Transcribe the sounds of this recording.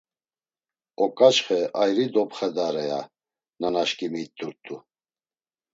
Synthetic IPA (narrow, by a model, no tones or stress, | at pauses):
ɔkʼat͡ʃχɛajɾid̪ɔpχɛd̪aɾɛja̰ | nanaʃkʼimit̪ʰʼːuɾt̪ʼu